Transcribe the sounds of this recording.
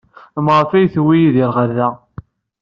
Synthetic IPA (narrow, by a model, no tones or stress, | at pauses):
mʁˤfæjθwijiðiɾʁaɾðæ